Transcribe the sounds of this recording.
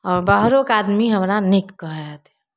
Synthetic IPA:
ɔːɾbəɦɾokaːd̪miɦəmɾanɪkːəɦɛt̪ɛ

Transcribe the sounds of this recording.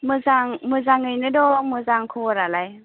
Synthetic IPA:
mɯzaŋmɯzaŋɯjnɯdɔmɯzaŋkʰɯwɔɾalaj

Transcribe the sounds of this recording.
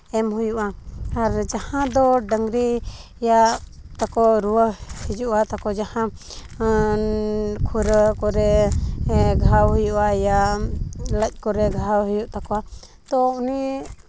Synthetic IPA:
ɛmɦujuʔaaɾd͡ʒahãd̪ɔɖəŋɡɾi | ja | t̪akɔɾuwəhid͡ʒuʔat̪akɔd͡ʒahã | kʰuɾəkɔɾɛ | ɡʱawɦujuʔaja | ləc̚ˀkɔɾɛɡʱawɦujuʔt̪akɔa | t̪ɔuni

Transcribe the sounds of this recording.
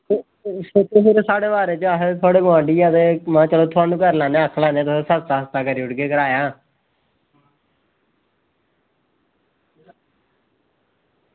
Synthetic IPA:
set̪osɪɾsaːɽeːʋaːɾeːt͡ʃəaːɦet̪ʰʊaːɽeːɡʊãːɖiːaːt̪eːmãːt͡ʃəloːt̪ʰʊaːnũːkəɾlaːneːəkʰːlaːnẽaːt̪sesəst̪aːɦəst̪aːkəɾiːʊɽɡeːkəɾaːjaː

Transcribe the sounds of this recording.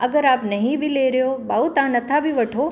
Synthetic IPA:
ɐɡəɾaːpnɐɦĩbʱileːɾjobaːut̪aːnɐt̪ʰabʱiʋɐʈʰoː

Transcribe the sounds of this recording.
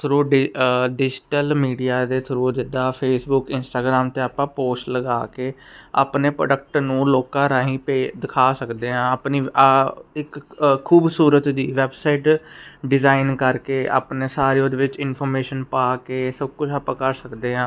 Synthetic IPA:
t̪ʰɾuːɖɪɖɪd͡ʒɪʈəlmiːɖijaːd̪eːt̪ʰɾuːd͡ʒɪd̪aːpʰeːsbʊkɪnsʈaːɡɾaːmt̪eːaːpãːpoːʃʈləɡaːkeːa̰ːpneːpɾo̰ːɖək̚ʈnũːloːkãːɾaːɦĩːpeːd̪ɪkʰaːsəkd̪eːɦãːaːpniː | ɪkʰːuːbsuːɾət̪d̪iːʋɛːbsaɪʈɖɪzaːɪnkəɾkeːʔa̰ːpneːsaːɾeõːd̪eːʋɪt͡ʃɪnpʰɔːɾmeːʃənpaːkeːsəb̚kʊt͡ʃʰapãːkəɾsəkd̪eːɦãː

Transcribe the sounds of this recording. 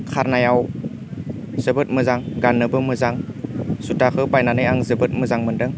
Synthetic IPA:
kʰaɾnajaw | z̥əbɯt̚mɯzaŋɡanːɯbɯmɯzaŋsutakʰɯbajnanɯjaŋzəbɯt̚məzaŋmɯndɯŋ

